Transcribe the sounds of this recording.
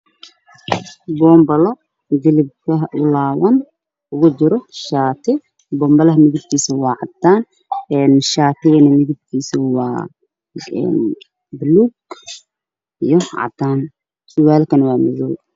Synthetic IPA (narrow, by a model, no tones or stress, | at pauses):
bɔːmbɐlɔ | ɡɐlib̚kʰɐʔʊlaːwɐn | ʔʊɣʊt͡ʃɪɾɔʃaːt̪ʰɪ | bɔːmbɐlɐɦɐmɪðɪb̚k̪ʰiːsɐwɑːʕɑt̪ʰːaːn | ɛːnʃaːt̪ɪɣɐnɐmɪðɪb̚kʰiːsɐwɑ̰ː | ɛ̰ːn | bluːɡ | ijɔʕɑ̰t̪ʰːaːn | sʊwaːlkʰɐnwɑːmɐðuːw